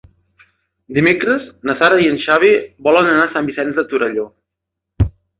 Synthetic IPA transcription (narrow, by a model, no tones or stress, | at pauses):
d̪imekɾəznəsaɾəiənʃaβ̞ibɔlənənasambisɛnzðət̪uɾəʎo